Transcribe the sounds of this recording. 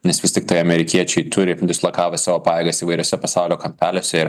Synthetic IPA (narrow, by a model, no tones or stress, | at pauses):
nʲɛsʋʲɪst̪ʲɪk̚t̪ɐɪɐmʲɛɾʲɪkʲiɛt͡ʃʲɛɪt̪ʰʊɾʲɪd̪ʲɪslˠɐkɑːʋʲɐsɑːʋoːpɑːjeːɡɐsiːʋɐɪɾʲoːsʲɛpɐsɑˑʊlʲoːkɐmʲpʲæːlʲɛsʲɛɪɾ